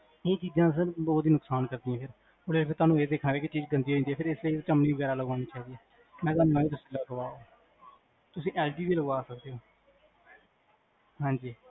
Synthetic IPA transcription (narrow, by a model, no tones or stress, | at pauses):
eːt͡ʃiːd͡ʒãːsəɾbɔːt̪iːnʊksaːnkəɾd̪ĩãːpʰɪɾ | ʊleːpʰɪɾt̪ʊaːnũːeːd̪eːkʰnːɾɛːket͡ʃiːd͡ʒɡənd̪iːoːĩːnd̪iːɛːpʰɪɾɪsleit̪ːt͡ʃəmnĩːbəɡɛːɾaːləɡãːnĩːt͡ʃaːiːd̪iɛː | mɛ̃ːt̪̬aːnũːmɛ̃ːeːt̪ʊsĩ̥ːləɡəʋaːoː | t̪ʊsĩːʔɛːlʈiːd̪iːləɡʋaːsək̚d̪eːoː | ɦãːɲd͡ʒiː